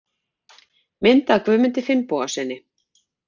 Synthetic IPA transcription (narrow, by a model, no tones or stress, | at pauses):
mɪnt̪akvʏːmɪnt̪ɪfɪnpɔːasɛnːɪ